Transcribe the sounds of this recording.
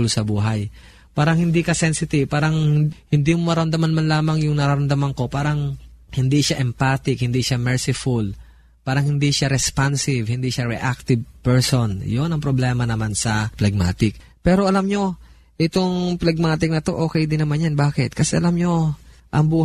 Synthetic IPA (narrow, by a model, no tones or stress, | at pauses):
lsɐbuːɦɐj | paːɾɐŋhɪnd̪iːkɐsɛnsɪt̪ɪvpaːɾɐŋhɪnd̪iːmomɐɾɐmd̪ɐmanmanlaːmɐŋjʊŋnɐɾaɾɐmd̪ɐmɐŋko̞paːɾɐŋhɪnd̪iʃaʔɛmpaːt̪ɪkhɪnd̪iʃamɛɹsɪfʊl | paːɾɐŋhɪnd̪iʃaɾɛspansɪvhɪnd̪iʃaɾḭʔak̚t̪ɪvpɛɹsonjonɐŋpɾoblɛːmɐnɐmansɐplɐɡ̚ma̰ːt̪ɪk̚ | pɛːɾo̞ʔɐlamɲo̞ | ʔɪt̪oŋplɐɡ̚maːt̪ɪk̚nɐt̪o̞ʔo̞ːkɛjd̪ɪnɐmanjanbaːkɛt̪̚kɐsɛʔɐlamɲo̞ʔɐŋbuː